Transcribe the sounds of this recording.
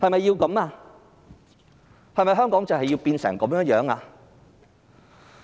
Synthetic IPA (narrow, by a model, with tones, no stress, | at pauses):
hɐ˨jmɐ˨jːiː˧wkɐ˨˥maː˧ | hɐ˨jmɐ˨jɦœː˥ŋkɔː˨˥ŋt͡sɐ˨whɐ˨jːi˧wpiː˧nsɛ̰ː˨˩ŋkɐ˨˥mjœː˥njœː˨˥ŋaː˧